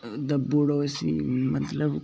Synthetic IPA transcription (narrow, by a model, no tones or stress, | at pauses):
d̪ɐbuɽosḭmɐt̪ləb